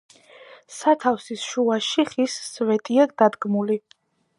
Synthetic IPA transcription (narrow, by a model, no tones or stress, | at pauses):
sat̪ʰafsisʃuaʃiχisːvɛt̪ʼiad̪̥ad̪ɡmuli